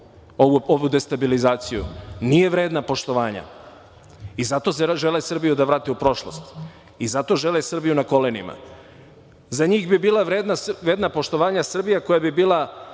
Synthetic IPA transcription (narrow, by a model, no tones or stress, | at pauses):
ooʋud̪e̞st̪abilizaːt̪sijṵnije̞ʋɾeːd̪napo̞ʃt̪o̞ʋaːɲa̰ | izat̪o̞seʒelesr̩bijud̪aʋɾaːt̪iupɾo̞ʃlˠo̰st̪ | izat̪o̞ʒe̞lesr̩bijunako̞lenḭma̰ | zaɲiːɣbibiːlˠaʋɾeːd̪naʋɾeːd̪napo̞ʃt̪o̞ʋaːɲasr̩bijako̞jabibiːlˠa